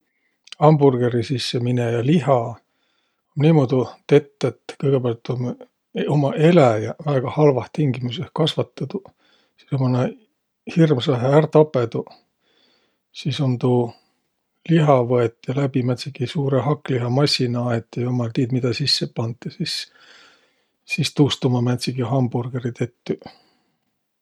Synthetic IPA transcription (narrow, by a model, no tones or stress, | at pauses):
ɑmburɡ̥e̞ɾisisːeminejɑliɦɑ | onniːmod̪ut̪e̞t̪ːˑet̪ːkɤjɡe̞bæɑlt̪ːom | omɑʔe̞læjɑvæːɡ̥ɑhɑlvɑht̪iŋɡimusehkɑsvɑt̪ːˑɑd̪u | si̥somone | hirmsɑɦeært̪ɑpːˑe̞d̪u | siso̞nt̪uː | liɦɑvɤet̪ːˑjɑlæbimæt̪sikisuːɾeɦɑkːˑliɦɑmɑsʲinɑɑet̪ˑːjɑjomɑlt̪iːd̪mid̪̥ɑsisːepɑnd̪jɑsis | ist̪uːst̪umɑmæt̪ʲsikiɦɑmburɡ̥eɾit̪e̞t̪ːy